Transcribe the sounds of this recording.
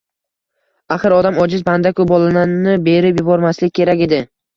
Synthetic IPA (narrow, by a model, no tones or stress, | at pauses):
aχɨɾɒd̪amɒd͡ʒɪzband̪akʰʊbɒlˠanannɪbe̞ɾɪpjʊbɒɾmaslɪkʲkʰʲːe̞ɾakʲe̞d̪ɪ